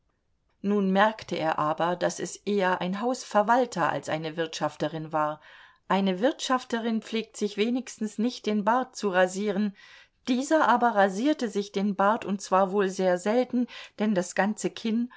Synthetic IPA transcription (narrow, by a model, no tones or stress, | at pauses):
nuːnmɛɐktʰəʔḛːɐʔaːbɐdasɛsʔeːɐʔa̰ɪnɦaʊsfɛɐvaltʰɐʔa̰lsʔa̰ɪnəvɪɐtʃaftəʁɪnvaːɐ | ʔaɪnəvɪɐtʃaftəʁɪnpp͡fleːk̚tz̥ɪçv̥eːnɪçstn̩snɪçt̚d̥eːnbaɐt̚t͡suʁaziːʁ̞ən | d̥iːzɐʔaːbɐʁaziːɐtəzɪçd̥eːnbaɐtʊnt̚t͡sv̥aːɐvoːlzeːɐzɛltn̩d̥ɛndasɡ̥ant͡səkʰɪn